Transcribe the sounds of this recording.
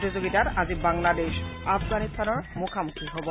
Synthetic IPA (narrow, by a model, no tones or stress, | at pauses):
tizoɡitatazibaŋladeʃafɡanist̪ʰanɔɹmukʰamukʰiɦobɔ